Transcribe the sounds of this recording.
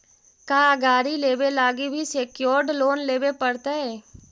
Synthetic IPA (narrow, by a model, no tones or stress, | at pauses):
kaːəɡaːɾileːbelaːɡibʱiseːkjoːɾɖloːnleːbepəɽt̪aɦɛː